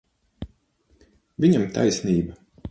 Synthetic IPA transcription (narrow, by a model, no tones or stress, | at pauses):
vʲiɲamt̪ʰa̰jsʲniːba